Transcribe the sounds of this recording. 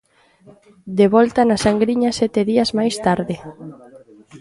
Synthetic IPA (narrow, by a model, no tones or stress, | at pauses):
d̪eβɔlt̪anasaŋɡɾiɲɐsɛt̪eðiɐzmajst̪aɾðɪ